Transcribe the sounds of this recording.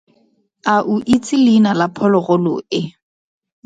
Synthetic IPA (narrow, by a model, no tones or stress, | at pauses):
aʔuʔit͡sʰʼɪlinalapʰɔlɔɣɔlɔ̰ɪ